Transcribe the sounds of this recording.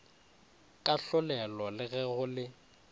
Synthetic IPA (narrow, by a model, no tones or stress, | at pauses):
kʼaɬʊlɛlɔlɪɣɛɣʊlɪ